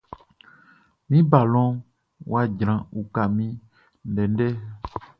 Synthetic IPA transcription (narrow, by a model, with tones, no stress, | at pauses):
mĩ˦ba˨lɔ̃˦ | wa˨d͡ʒɾã˨u˨ka˨mĩ˦ | n˦ɖɛ˨n˦ɖɛ˦